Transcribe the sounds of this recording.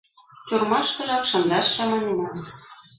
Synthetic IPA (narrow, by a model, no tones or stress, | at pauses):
t̪ʲurmɑʃkɤ̆ʒɑkʃɤ̆nd̪ɑʃːɑmɑmʲenɑn